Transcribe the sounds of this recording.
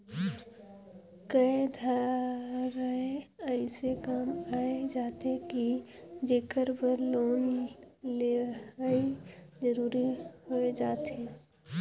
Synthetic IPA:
kəed̪ʱa | ɾəeəɪsekaːmaːed͡ʒaːt̪ekid͡ʒeːkəɾpəɾloːnleid͡ʒəɾuːɾiɦoed͡ʒaːt̪eː

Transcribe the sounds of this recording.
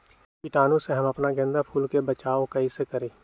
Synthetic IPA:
pɪʈaːnũseɦɐmɐpnaɡɛ̃nd̪apʰuːlkebɐt͡ʃaːokɐisekɐɾẽː

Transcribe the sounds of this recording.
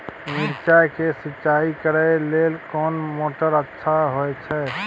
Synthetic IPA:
miɾt͡ʃakesitːʃaikəɾɛlelkɔːnmoʈəɾətːʃʰaɦojt͡ʃʰɛ

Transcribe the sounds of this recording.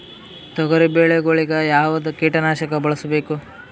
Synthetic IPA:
t̪ɔɡɐɾibeːɭeɡoɭiɡɐjaːʋɐd̪ukiːʈɐnaːʃɐkɐbɐɭɐsɐbeːku

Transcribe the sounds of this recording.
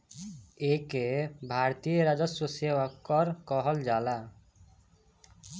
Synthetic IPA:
ekebʱaɾt̪ijeɾad͡ʒɔsusewakːɔɾkɔɦɔld͡ʒala

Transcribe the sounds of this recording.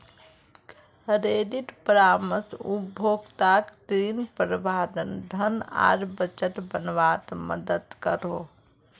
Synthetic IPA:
ɾeɖiʈpəɾaməsubʱoɡt̪akt̪ɾinpɾbʱad̪ənd̪ʱəna̰ɾbət͡ʃəʈ̪bənʋat̪mə̰d̪əd̪kəɾo

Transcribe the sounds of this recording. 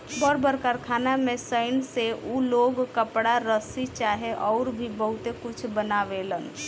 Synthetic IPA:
bəɾbəɾkəɾkʰaːnamẽsəɪnseʔuloːɡkəpɽaɾəsit͡ʃaːɦeʔɔːɾbʱibəɦʊt̪ekʊt͡ʃʰbənaʋelən

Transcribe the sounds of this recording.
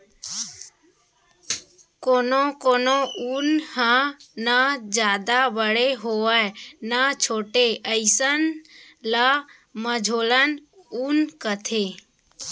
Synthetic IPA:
koːnokoːnounhãnad͡ʒjaːd̪abəɽeɦoəenat͡ʃʰoːʈeəɪsən | la | məd͡ʒʱoːlənunkət̪ʰe

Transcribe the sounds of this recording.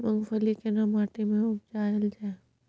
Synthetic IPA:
mɐ̃ŋɡfʰəlikenɐmaːʈemẽʊb̚d͡ʒaɐld͡ʒae

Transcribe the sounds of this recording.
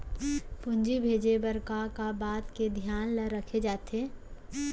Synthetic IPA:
pʊ̃nd͡ʒibʱeːd͡ʒebəɾkakabaːt̪ked̪ʱjaːnləɾəkʰed͡ʒaːt̪eː

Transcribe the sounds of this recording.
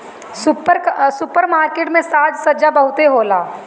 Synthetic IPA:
sʊpəɾsʊpəɾmaːɾkeːʈmẽsaːd͡ʒsɐd͡ʒabɐɦʊt̪eɦoːlaː

